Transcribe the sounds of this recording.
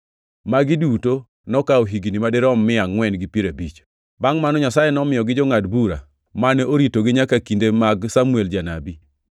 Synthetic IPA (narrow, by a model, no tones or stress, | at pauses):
maɡɪduto | nɔkaoɦiɡinimadɪɾɔmːɪaŋwɛnɡɪpiɾabit͡ʃ | baŋmanɔɲasajenɔmɪjɔɡɪd͡ʒɔŋadbuɾa̰ | manɛʔoɾitoɡɪɲakakindemaɡsamuɛld͡ʒana̰bi